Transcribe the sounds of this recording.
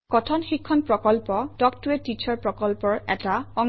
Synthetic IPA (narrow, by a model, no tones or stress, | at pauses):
kɔtʰɔnxikʰːɔnpɹɔkɔlpɔdɔk̚tuɛtːit͡ʃʰɔɹpɹɔkɔlpɔɹɛ̰taɔŋ